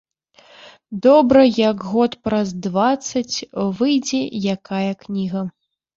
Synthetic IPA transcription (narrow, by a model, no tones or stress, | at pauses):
d̪ɔbɾɐjɐɡɣɔt̪pɾɐzd̪vat̪sːɐt͡sʲvɨjd͡zʲɛjakajɐknʲiɣɐ